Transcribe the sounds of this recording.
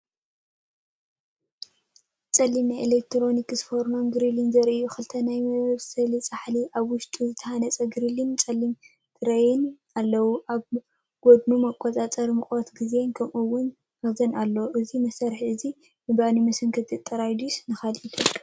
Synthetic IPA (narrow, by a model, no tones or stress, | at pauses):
t͡sʼɐlːimnajʔelek̚t̪ʰɾo̞nikɨzɨfoɾno̞mɡɨɾilinzɐɾʔɨjuxɨlt̪ʰɐnajmɐββsɐlit͡sʼaħliʔaβwʊʃt̪ʼuzɨt̪ʰɐhanɐt͡sʼɐɡɨɾilint͡sʼɐlːim | d̪̥ɨɾɐjɪn | alːɐwuʔaβ | ɡ̥od̪numɐkʼːotʼat͡sʼɐɾmɨkʼot̪ɡizenkʰɐmʔuwʊn | ɐzɐnalːoʔɨzimɐsɐɾħiɨzi | mɨbanimɨsɨŋkʰɨt̪ʰɨt̪ʼːɐɾajd̪usnɨxalit̪ʰɨ